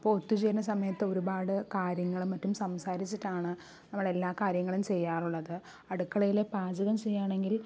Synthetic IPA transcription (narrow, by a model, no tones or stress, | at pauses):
ɐpːoːɭot̪ːut͡ɕejɾunːɐsɐmɐjɐt̪ːɨo̞ɾubaːɽɨkaːɾjɐŋːɐɭumːɐtːumsɐmsaːɾit͡ɕːiʈːaːɳɨ | nɐmːɐɭe̞lːaːkaːɾjɐŋːɐɭumt͡ɕe̞jːaːruɭːɐðɨ | ɐɽukːɐɭɐjile̞paːd͡ʑɐɣɐmt͡ɕe̞jːaːɳe̞ŋɡil